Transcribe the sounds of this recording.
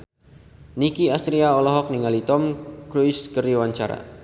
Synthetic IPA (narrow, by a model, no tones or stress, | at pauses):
nikiast̪ɾiaɔlɔɦɔk̚niŋalit̪ɔmkɾuiskərdiwaɲt͡ʃa̰ɾa̰